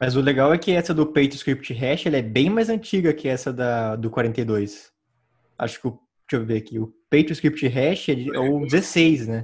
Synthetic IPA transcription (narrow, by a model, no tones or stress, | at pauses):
mɐzʊleɡawɛkɪɛsɐd̪ʊpejt̪ɾskɾip̚t͡ʃɪɦɛʃɪɛlɐɛbẽj̃majzɐ̃t͡ʃiɡɐkʰɪɛsɐd̪ɐd̪ʊkwaɾẽnt̪ejd̪ojs | a̰ʃʊ̥kɪʊ | t͡ʃiɐvveakiʊpejt̪ɪskɾipt͡ʃɪɦɛʃɪɛd͡ʒɪɛʊd͡ʒɪzesejsnɛ